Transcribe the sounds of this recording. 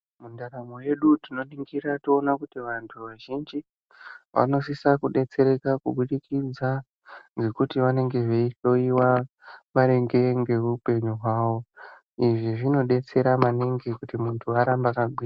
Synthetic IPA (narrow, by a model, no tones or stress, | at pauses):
mundaɾamoje̞ɗutino̞niŋɡiɾationakutiʋantʰuʋaʒind͡ʒi | ʋa̰no̞sisakuɗe̞t͡se̞ɾe̞kakuɓuɗikid͡za | nɡe̞kutiʋane̞ŋɡe̞ʐeiɬo̞iwa | maɾe̞ŋɡe̞ŋɡeuupe̞ɲuɦwaːwo̞ | iʐiʐino̞ɗe̞t͡se̞ɾamaneŋɡe̞kutimuntʰuaɾambakaɡiːa